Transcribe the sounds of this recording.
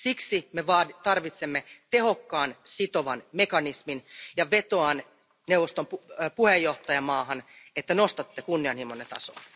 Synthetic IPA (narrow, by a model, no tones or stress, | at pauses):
siksimeʋɑːt̪ɑrʋit̪semːet̪e̞ho̞kːɑːnsit̪oʋɑnmekɑnisminjɑʋe̞t̪oɑn | newʋːˑost̪omupuhejːoht̪ɑjɑmɑːɦɑnet̪ːænost̪ɑt̪ːekunːiɑnhimonːet̪ɑ̰so̰